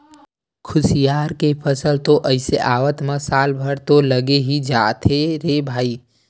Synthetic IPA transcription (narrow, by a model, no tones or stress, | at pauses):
kʰʊsijaːɾkepʰəsəlt̪oʔəɪseʔaːʋət̪məsaːlbʱəɽt̪oləɡeɦid͡ʒaːt̪eɾebʱaːiː